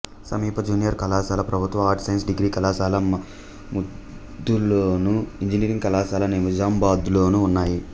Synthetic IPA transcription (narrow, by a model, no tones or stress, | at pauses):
sɐmiːpʰɐd͡ʒuːnijɐɾkɐlaːsaːlɐpɾɐbʱut̪ʋɐmɦaːɾʈsɐjɐnsɖiɡɾiːkɐlaːsaːlɐmɐ | mud̪ː | uloːnuiɲd͡ʒiniːɾiŋɡkɐlaːsaːlɐneːmud͡ʒaːmbaːd̪lo̞ːnuːnːaːji